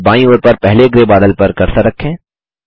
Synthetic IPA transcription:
baːĩoːɾpɐɾpɛɦleɡɾebaːd̪əlpɐɾkɐɾt̪aɾɐkʰːẽː

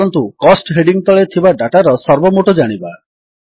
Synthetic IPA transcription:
ɔnt̪ukɔsʈɦeɖiŋt̪ɔɭet̪ʰibaɖaʈaɾɔsɔɾbɔmoʈɔd͡ʒaɽ̃iba

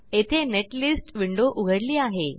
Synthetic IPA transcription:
et̪ʰeneʈlisʈʋiɳɖoʔuɡʱəɽliːaɦe

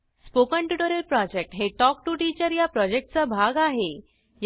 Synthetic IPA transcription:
spokəɳʈjuʈəɾəlpɾɔd͡ʑek̚ʈɦeʈɔk̚ʈuʈit͡ɕəɾjapɾɔd͡ʑek̚ʈ̚t͡sabʱaɡaɦe | j

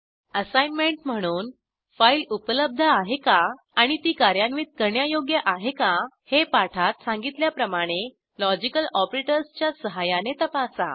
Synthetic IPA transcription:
əsajnmeɳʈm̤əɽ̃uːn | failupələb̚d̪ʱəaɦekaː | ɽ̃it̪iːkaɾjanʋiːt̪̚kəɾɳjajoɡjəʔaɦekahepaʈʰat̪sãŋɡit̪ljapɾəmaɽ̃e | lɔd͡ʑikəlɔpɾeʈəɾst͡ɕjasəɦajanet̪əpasa̰

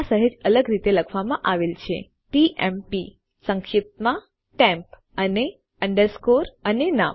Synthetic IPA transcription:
asəɦed͡ʒələɡɾit̪eləkʰʋamãʔaʋelt͡ʃʰḛ | ʈiʔɛmpi | səŋkʃip̚t̪mã | ʈɛ̃mp | əne | əɳɖəɾskoɾənena̰

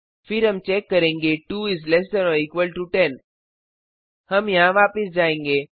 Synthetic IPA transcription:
fɪɾɦɐmt͡ʃɛkːɐɾẽːŋɡeʈuːɪzlɛs̬d̪ɛnoːikʋəlʈuʈɛn | hɐmjɐɦãʋaːpɪs̬d͡ʒaːẽːŋɡeː

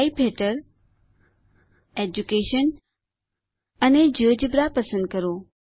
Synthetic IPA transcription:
ipʰeːʈəɾ | eːd͡ʑukeːʃən | əned͡ʑəːd͡ʑəbɾapəsə̃nd̪̚kəɾoː

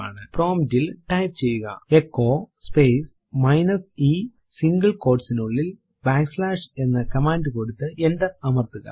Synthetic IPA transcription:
a̰ːɳɨproːmdilʈɐjpt͡ɕe̞jːuɣɐ̰ekːo̞ːspejs | mɐjnɐsi | siŋɡɐɭko̞ːrɖsinuɭːil | baːkslaːʂe̞nːɐkɐmaːnɖɨkoɽut̪ːɨʔenɖ̪ɐɐmɐrt̪ːuɣɐ̰

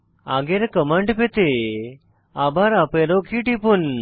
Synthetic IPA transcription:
aɡeɾkəməɳɖpet̪e | abaɾapeɾokʰiʈipun

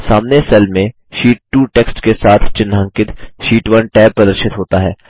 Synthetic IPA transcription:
saːmnesɛlmẽ | ʃiːʈ̚ːuːʈeːksʈkesaːt̪ʰt͡ʃɪnːɦə̃ŋkɪt̪ʃiːʈʋɐnʈɛːpːɾɐd̪əɾʃɪt̪ɦoːt̪aɦɛ̰ː

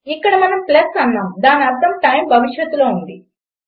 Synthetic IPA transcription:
ikːɐɽɐmɐnɐmplɐsɐnːaːmd̪aːniɐɾt̪ɐmʈɐjmbʱɐʋiʂjɐt̪ːulo̞ːund̪i

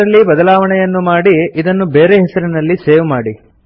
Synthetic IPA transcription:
ɐlːibɐd̪ɐlaːʋɐɳɛjɐnːumaːɽiid̪ɐnːube̞ːɾeɦɛsɐɾinɐlːiseːʋumaːɽi

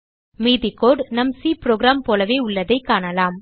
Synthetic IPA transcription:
meːðɪkoːɖnɐmsiːpɾoːɡɾaːmpoːlɐʋeːʊɭːɐðɐɪkːaːɳɐlaːm

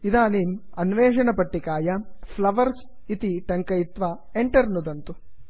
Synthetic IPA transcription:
id̪aːniːmɐnʋeːʂɐɳɐpɐʈːikaːjɐpʰlɐʋɐɾs | it̪iʈɐŋkɐjit̪ʋaː | eɳʈɐɾnud̪ɐnt̪u

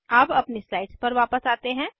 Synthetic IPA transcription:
aːpɐpnislaːɪʈspɐɾʋaːpəsaːt̪eɦɛ̃ː

